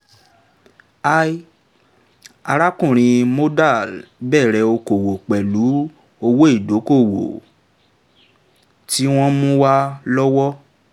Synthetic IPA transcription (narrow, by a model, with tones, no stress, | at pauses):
a˧˦i˦ | a˧ɾa˦kũ˦˨ɾ̃ĩ˧mo˦da˦˨lbɛː˦˨ɾɛ˧o˧ko˨wo˨k͡pɛ˨lu˨˦ | o˧wo˦i˦˨do˨˦ko˦˨wo̰˨ | ti˦w̃ɔ̃˦mũ˦wa˦lɔ˦wɔ˦